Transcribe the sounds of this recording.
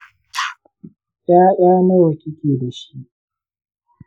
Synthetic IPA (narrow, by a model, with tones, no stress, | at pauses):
ʔj̰aː˦jaː˦mɐ˦wɐ˨kʲɪ˦kʲeː˨da˨ʃi˦ʔ